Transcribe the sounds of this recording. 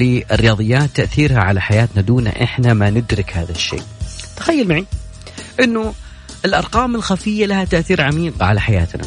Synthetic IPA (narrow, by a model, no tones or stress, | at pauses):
liɪrːɪjɑːðˤɨjːaːt̪ːaʔθiːɾhaʕalaħajaːt̪nad̪uːna̰ʔɪ̰ħnamanɪd̪ɾɪkhaːðaʃːḛːʔt̪ḁxajːalmaʕi | ʔɪnːʊ | ɪlʔɑɾˤqɑːmɪlxafɪjːalahat̪aʔθiːɾʕamiːqʕalaħaja̰ːt̪na̰